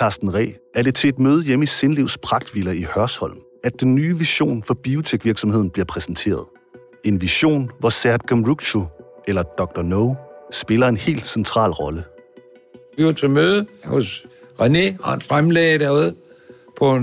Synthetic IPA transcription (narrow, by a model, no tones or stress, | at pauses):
kʰɑsd̥n̩ʁɛ̰ːæɐɾ̥e̝t͡sʰe̝le̝d̥møːð̞ˠjemise̝nliʊspʰʁɑ̈ɡ̥̚d̥ʋilɐihɶɐshɒ̽l̰m | æd̥̚ːenːyːʋiɕo̝̰ːnfɒ̽b̥io̝t͡sʰeɡ̥ʋiɐɡ̥sɒ̽mhe̝ð̞̰ˠn̩b̥liɐpʰʁɛsn̩t͡sʰe̝̰ːɐð̞ˠ | e̝nʋiɕo̝̰ːnʋɒsæɐd̥ɡ̥æmʁuɡ̥ɕoʔelɐd̥ɒɡ̥̚d̥ɒnoʊsb̥e̝lɐe̝nhe̝̰ːld̥sent͡sʰʁɑ̰̈ːlʁɒ̽lə | iot͡sʰemøːðˠəhɔsʁaneɑ̰nfʁamleːd̥æuð̰ˠ | pʰɒ